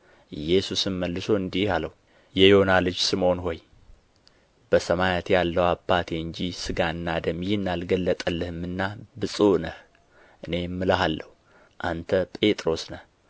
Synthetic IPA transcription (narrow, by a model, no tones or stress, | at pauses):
ʔɨjɛsusɨnməlːɨsoɨnd̪ialəwu | jɛjonalɨd͡ʒsɨmo̞nho̞j | b̥əsəmajat̪jalːəwabːat̪ʰeɨɲd͡ʒisɨɡaɨnːad̪əmjiɨnːalɡəlːət̪ʼəlːɨhɨmːɨnːabɨsʼonəh | ʔɨne̞mːɨləɦalːəhu | ʔant̪ʰəpʼe̞t̪ʼɾo̞snəh